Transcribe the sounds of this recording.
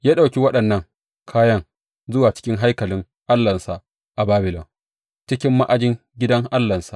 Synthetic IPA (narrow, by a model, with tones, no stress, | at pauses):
jaː˦ɗa˨wkʲi˦wɐ˦ɗɐ˨nːɐ˦˨ŋ | kʰaː˦jɐ˦ŋ | zʊ˦waː˨t͡ʃɪ̥˦kʲɪ˦ŋɦa˦jkɐ˨lɪ˦ŋ | ʔa˦lːɐ˨nsa˨ʔ | ʔa˨baː˦bɪ˨lɔ˨ŋ | t͡ʃɪ˦kʲɪ˦mːa˦ʔa˨d͡ʒɪ˦ŋ | ɡʲɪ˦dɐ˦ŋʔa˦lːɐ˨nsa˨